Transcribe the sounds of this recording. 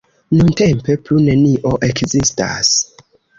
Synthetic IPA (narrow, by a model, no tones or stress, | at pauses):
nunte̞mpe̞plune̞niʔo̞ʔe̞kzista̰s